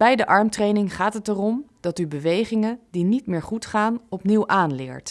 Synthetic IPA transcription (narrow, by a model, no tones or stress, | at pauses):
b̥ɛjdəʔɑɹmtrejnɪŋχaːtɦətərɔmd̥ɑtybəʋejχɪŋəndinitmɪːɹχutχaːnɔpniwʔaːnlɪ̰ːɹt